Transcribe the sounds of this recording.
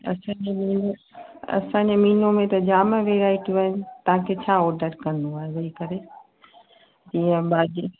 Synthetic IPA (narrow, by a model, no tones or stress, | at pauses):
ɐ̰sãːɲd͡ʑemiːnoɐ̰sãːɲd͡ʑemiːnõmẽt̪ɐd͡ʑaːmə̃ʋeɾaːɪʈʋəɪnɪ̆t̪ɐɦãkʰet͡ɕʰaːɔːɾɖəʈkɐ̃nd̪uaːɦezɐɦikɐɾe | d͡ʑiːə̃baːdi